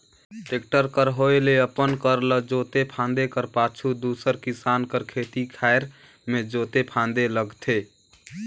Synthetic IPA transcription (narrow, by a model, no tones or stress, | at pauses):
ʈek̚ʈəɾkəɾɦoeleəpənkəɾləd͡ʒot̪epʰãnd̪ekəɾpat͡ʃʰud̪usəɾkisankəɾkʰet̪ikʰaeɾ | med͡ʒot̪epʰãnd̪eləɡt̪ʰe